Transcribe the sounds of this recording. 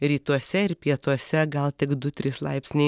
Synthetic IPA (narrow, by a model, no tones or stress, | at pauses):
ɾʲiːt̪uɔsʲɛɪɾpʲiɛt̪uɔsʲɛɡɐlˠt̪ʲɪkd̪ʊt̪ʲɾʲɪslˠɐ̰ɪpʲsʲnʲɪ